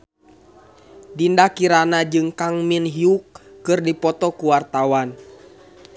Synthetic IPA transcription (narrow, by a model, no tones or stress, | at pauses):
dindakiɾanad͡ʒɨŋkaŋminɦiukːɨrdipɔt̪ɔkuwart̪awan